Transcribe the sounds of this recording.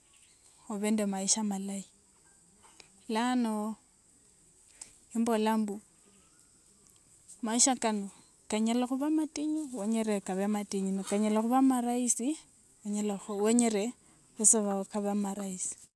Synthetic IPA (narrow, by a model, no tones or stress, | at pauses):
oβendemaiʃamalai | lano | imbolambu | maiʃakano | kaɲalaxuβamatʼiɲuweɲeɾekaβematiɲunokaɲalaxuβamaɾaisi | weɲelaxoweɲeɾe | βeseβakaβamaɾaisi̥